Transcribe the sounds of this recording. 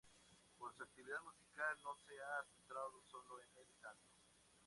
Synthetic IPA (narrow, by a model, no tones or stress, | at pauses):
poɾseak̚t̪iβiðaðmusikalno̞seasent̪ɾaðoso̞loeneɾit̪ano